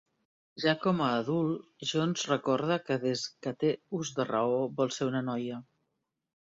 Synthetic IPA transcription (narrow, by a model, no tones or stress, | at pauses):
ʒakɔməːðulˠʒonzrəkɔɾð̞əkəðezkət̪euzðərəoβɔlˠseunənɔjə